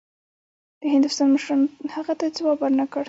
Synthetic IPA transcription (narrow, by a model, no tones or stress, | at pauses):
d̪̥əɦɪnd̪ʊst̪ɑnməʃɾɑnhaɣat̪at͡sewɑbaɾnakəɽ